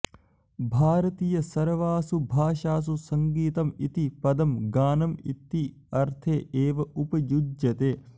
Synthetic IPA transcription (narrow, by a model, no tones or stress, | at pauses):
bʱaːɾɐt̪iːjɐsɐɾʋaːsubʱaːʃaːs̬usɐŋɡiːt̪ɐmit̪ipɐd̪ɐmɡaːnɐmḭt̪ːi | ɐɾt̪ʰeːʔeːʋɐʔupɐjud͡ʒjɐt̪eː